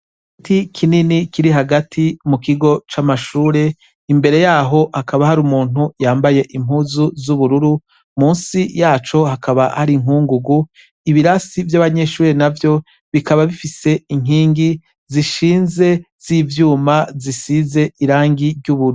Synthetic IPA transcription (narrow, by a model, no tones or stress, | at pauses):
tʰikʰininikʰiɾiɦaɡatʰimukiɡo̞t͡ʃamaʃuːɾe̞ | imbe̞ɾe̞jaːɦo̞hakaβahaɾumuːn̥hujaːmbaje̞ʔimhuːzuzuβuɾuɾu | muːnsijaːt͡ʃo̞hakʰaβahaɾiŋuːŋɡuɡu | iβiɾasivjaβaɲe̞ʃuːɾe̞navjo̞ | βikaβaβifise̞iŋ̥iːŋɡi | ziʃiːnze̞z̥iːvjuːmazisize̞iɾaːŋɡiɾɟuβuɾ